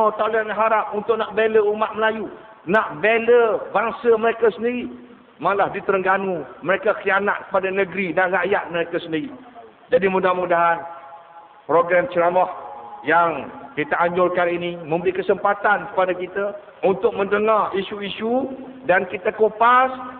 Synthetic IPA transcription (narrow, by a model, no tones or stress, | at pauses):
at̪awlianaɦaɾap̚unt̪ʊʔ̚naʔbeləumat̪̚məlaju | naʔbeləbaŋsəməɾekasəndiɾi | malahdit̪əɾəŋɡanuməɾekakianat̪̚kə̥padanə̃ɡɾinaʔraʔjat̪̚məɾekasəndiɾi | d͡ʒadimudahmudaɦan | pɾoɡɾamt͡ʃəɾamahjaŋkit̪aaɲd͡ʒʊrkaninimə̃mbəɾikəsəmpat̪ankə̥padakit̪a | unt̪ʊk̚mə̃ndəŋarisuisu | dankit̪akopas